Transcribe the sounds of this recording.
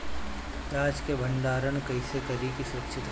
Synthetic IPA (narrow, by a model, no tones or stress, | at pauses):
t̪aːd͡ʒkebʱənd̪aːɾəɳkɐɪsekɐɾikisʊɾəkʃɪt̪